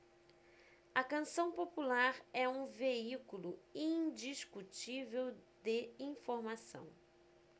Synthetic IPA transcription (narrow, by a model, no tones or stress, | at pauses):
ɐkɐ̃sɐ̃w̃populaɾɛũveikulʊĩd͡ʒiskut͡ʃivewd̪ɪĩfoɾmasɐ̰̃w̃